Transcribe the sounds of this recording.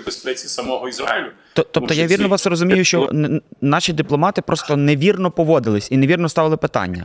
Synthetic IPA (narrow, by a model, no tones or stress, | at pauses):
bespɛt͡sʲisɐmɔɦɔizɾa̰ɪlʲʊ | t̪ɔt̪ɔpt̪ɔjaʋʲirnɔʋɑsrɔzʊmʲijʊʃt͡ʃɔnɑʃʲid̪ɪplˠɔmɑt̪ɪpɾʔɔst̪ɔneʋʲirnɔpɔʋɔd̪ɪlˠɪsʲineʋʲirnɔst̪ɑʋɪlˠɪpɪt̪ɑ̰nʲːɐ̰